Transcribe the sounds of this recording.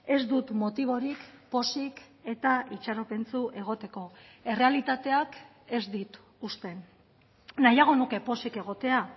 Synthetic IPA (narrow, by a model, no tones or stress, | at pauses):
e̞zd̪ut̪mo̞t̪iβ̞o̞ɾikpo̞sik | e̞t̪aʔit͡ʃaɾo̞pe̞nt͡suʔe̞ɣ̞o̞t̪e̞ko̞e̞re̞alit̪at̪e̞ak | e̞zd̪it̪ | ust̪e̞n | najaɣ̞o̞nuke̞po̞sike̞ɣ̞o̞t̪e̞a